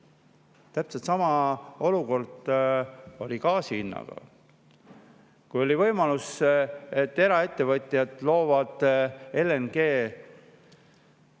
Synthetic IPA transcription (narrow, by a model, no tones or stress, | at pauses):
t̪æpset̪sɑmɑo̞luko̞rd̪̥ | o̞lʲikɑːsiinːɑ̰ɡ̥ɑ̰ | kujo̞lʲivɤjmɑluset̪ːe̞ɾɑe̞t̪ːevɤt̪ʲˑjɑd̪̥lo̞ːvɑd̪̥e̞lenɡ̥e̞ː